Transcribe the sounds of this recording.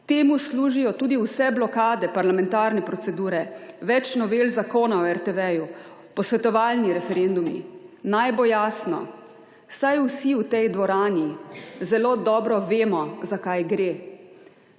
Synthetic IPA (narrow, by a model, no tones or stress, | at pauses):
t̪eːmusluːʒijɔt̪uːd̪iuwsɛblɔkaːd̪ɛpaɾlamɛ̃nt̪aːɾnɛpɾɔt̪sɛd̪uːɾɛʋɛt͡ʃnɔʋeːlzakoːnaɔɛɾt̪ɛʋɛju | pɔsʋɛt̪ɔʋaːlniɾɛfɛɾend̪umḭnajbojaːsnɔ̰ | sajusiwt̪ɛjd̪ʋɔɾaːnizɛloːd̪ɔːbɾɔʋeːmɔzakajɡɾeː